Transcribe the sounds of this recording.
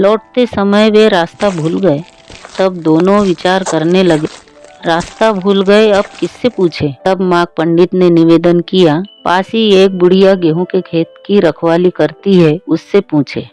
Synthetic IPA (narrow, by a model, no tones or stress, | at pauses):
lɔːʈ̚t̪esɐməjʋeɾaːst̪abʱuːlɡɐe | t̪ɐbd̪oːnõʋɪt͡ʃaːɾkɐɾnelɐɡe | ɾaːst̪abʱuːlɡɐeɐb̚kɪsːepũːt͡ʃʰeːt̪ɐbmãːɡ̚pə̃ɳɖɪt̪nenɪʋeːd̪ənkijapaːsieːk̚bʊɽ̤ijaɡeɦõkekʰeːt̪̚kiɾɐkʰwaːlikɐɾt̪iɦɛʊsːepũːt͡ʃʰḛː